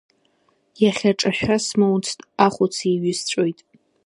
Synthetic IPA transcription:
jaχʲaʈ͡ʂʼaħʷᶣasmowt͡sʰtʼaχʷʊt͡sʰiɥɪst͡ɕʷʼojtʼ

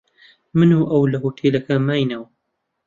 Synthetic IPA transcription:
mɨnuːʔɐwlɐɦoːt̪ʰeːlɐkʰɐmaːjnɐwɐ

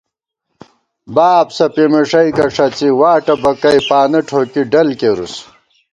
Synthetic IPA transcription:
baːpsɐpemeʂɐjkɐʂɐt͡siwaːʈɐbɐkɐjpaːnɐʈʰoːkiɖɐlkeɾṵs

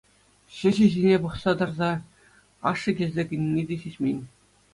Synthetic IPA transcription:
ɕɘ̆ʑɘ̆ʑinʲepɤ̆χsɑd̪ɤ̆rzɑ | ɑʂɤ̆kʲelʲzʲekʲɘ̆nʲnʲːidʲeɕitʲmʲenʲ

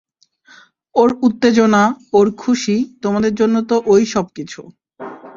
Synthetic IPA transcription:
oɾut̪ːed͡ʑonaoɾkʰuʃit̪omad̪eɾd͡ʑonːot̪oʔojʃɔb̚kit͡ɕʰu

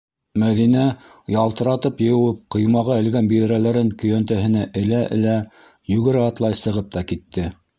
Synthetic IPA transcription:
mæðinæ | jɑlˠt̪ɤ̆ɾɑt̪ɤpjɤ̆jɘ̆wɘp̚qɤ̆jmɑʁɑɘ̆lɡænbiðɘ̆ɾælæɾɘŋkɵ̆jænt̪æhɘ̆næʔɘ̆læʔɘ̰̆læ | jʉɡɘ̆ɾæɑt̪lˠɑjsɤ̆ʁɤp̚t̪ɑkit̪ːɘ

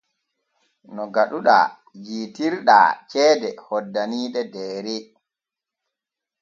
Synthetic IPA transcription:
nɔɡaɗuɗa̰ | d͡ʒiːtiɾɗa̰t͡ʃɛːdɛhɔdːaniːɗɛdɛːɾi

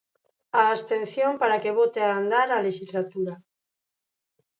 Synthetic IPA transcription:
aːst̪ẽn̟θjompaɾakeβot̪eaːnd̪aɾaleʃizlat̪uɾa

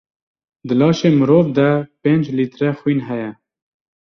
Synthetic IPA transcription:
d̪əlɑːʃeːmɨɾoːvd̪ɛpeːnd͡ʒliːt̪ɾɛxwiːnɦɛjɛ

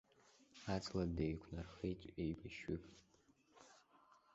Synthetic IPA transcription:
at͡sʰʼladejkʷʰnarχejt͡ʃʼejbaʃʏpʼ

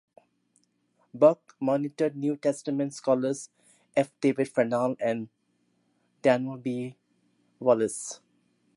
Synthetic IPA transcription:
bʌk | mɔːnɪʈəɾɖ̚njuːʈɛsʈəmẽɳʈskɔːləɾs | efd̪̥eːʋeʈfanaːlɛ̃ɳɖ | ʈænobiː | ʋɔləs

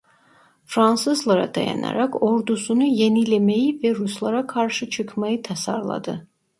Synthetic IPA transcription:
fɾansɨzlˠəɾa̰d̪̥ajɛ̰na̰ɾakʰɔɾd̪usunijɛnilɛmɛivɛɾuslˠaɾakʰaɾʃɨt͡ʃʰɨkʰmait̪ʰɛsa̰ɾlˠa̰d̪ɨ̰

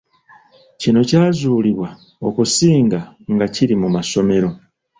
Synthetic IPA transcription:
cino̞caːzuːliβwa | o̞kusiːŋɡaŋɡaciɾimumaso̞me̞ɾo̞

